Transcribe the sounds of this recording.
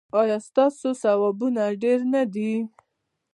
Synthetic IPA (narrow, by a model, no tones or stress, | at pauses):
ɑjɑst̪ɑsosawɑbunaɖeɾnad̪i